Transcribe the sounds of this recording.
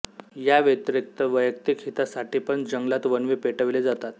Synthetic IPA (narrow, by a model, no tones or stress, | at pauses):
jaʋjət̪ɾik̚t̪əʋəjək̚t̪ikɦit̪asaʈiːpəɳd͡ʑəŋɡlat̪ʋənʋepeʈəʋled͡zat̪at̪̚